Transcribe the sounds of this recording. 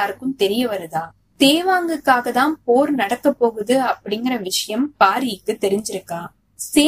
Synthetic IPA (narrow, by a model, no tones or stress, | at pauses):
aːɾɯkːɯmt̪ɛɾɪjɐʋɐɾɐðaː | t̪eːʋaːŋɡɯkːaːɣɐt̪ãːnpoːɾnɐɽɐkːɐpːoːɣɯðɯɐpːɐɽɪŋɡɪɾɐʋɪʂɐjɐmpaːɾɪjɪkːɯt̪ːɛɾɪɲd͡ʒɪɾɯkːaː | seː